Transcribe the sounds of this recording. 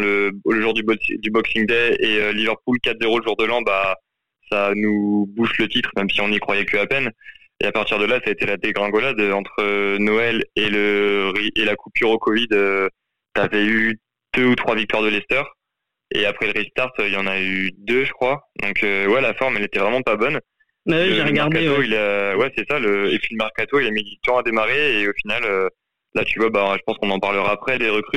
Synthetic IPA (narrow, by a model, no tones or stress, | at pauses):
lələʒuʁd̪ybd̪ybɔksiŋd̪ɛeølivœʁpulkat̪zeʁoləʒuʁd̪əlɑ̃ba | sanubuʃlət̪it̪χmɛmsiɔ̃nikχwajɛkʲəapɛn | ḛapaʁt̪iʁd̪əlasaet̪elad̪eɡʁɑ̃ɡɔlad̪øɑ̃t̪χənɔɛleləʁiʔelakupyʁokɔvid̪ø | t̪yavɛy | d̪̥øut̪χwavik̚t̪waʁd̪əlɛst̪œʁ | ḛapχɛləʁit̪aʁt̪øiljɑ̃nayyd̪øʒəkχwad̪ɔ̃køwɛlafɔʁmɛlet̪ɛvʁɛmɑ̃pabɔn | bawiʒeʁɡaʁdk̪aet̪oilawɛsɛsaləepɥiləmaʁkat̪oilamid̪it̪ɔ̃ad̪emaʁeːofinalø | lat̪yvwabaʒəpɑ̃skɔ̃nɑ̃paʁləʁaːpχɛd̪eʁəkχy